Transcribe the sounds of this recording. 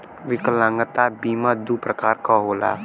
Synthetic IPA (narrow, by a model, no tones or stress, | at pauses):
wikəlaŋət̪abimad̪upɾəkarkɔɦola̰